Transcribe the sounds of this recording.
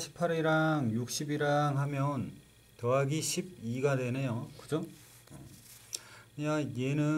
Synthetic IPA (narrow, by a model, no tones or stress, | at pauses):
ɕʰi̥pʰaɾeɾaŋjuk̚ɕ͈ibiɾaŋɦamjʌn | tʌɦaɡiɕʰib̚iɡadwe̞nejokɯd͡ʑo | jaje̞nɯ